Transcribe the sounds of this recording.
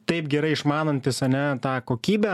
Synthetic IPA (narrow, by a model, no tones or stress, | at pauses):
t̪ɐɪpɡʲɛɾɐɪɪʃmɑːnɐnʲt̪ʲɪsɐnʲɛt̪ɑːkoːkʲiːbʲɛ